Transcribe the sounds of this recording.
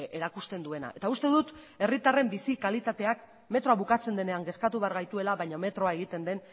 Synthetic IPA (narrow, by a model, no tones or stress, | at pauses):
e̞ɾakust̪e̞nd̪ue̞na̰ʔe̞t̪aust̪e̞ðut̪ | e̞rit̪are̞mbisikalit̪at̪e̞ak | me̞t̪ɾo̞aβukat͡se̞nd̪e̞ne̞aŋɡe̞skat̪uβe̞aɾɣajt̪ue̞laβajɲome̞t̪ɾo̞ae̞ɣit̪e̞nd̪e̞n